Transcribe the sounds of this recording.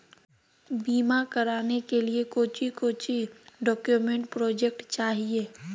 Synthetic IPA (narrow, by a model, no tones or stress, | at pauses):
biːmakəɾaːnekeliekoːt͡ʃikoːt͡ʃiɖɔːkjumẽɳʈ̚pɾɔːd͡ʒek̚ʈt͡ʃaːɦieː